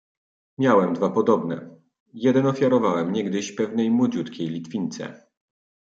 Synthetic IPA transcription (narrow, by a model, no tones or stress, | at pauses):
mʲjawɛmd̪vapɔd̪ɔbnɛ̰ | jɛd̪ɛnɔfʲjaɾɔvawɛmɲɛɡd̪ɘɕpɛvnɛjmwɔd͡ʑut̪kʲejlʲit̪fʲiɲt̪sɛ̰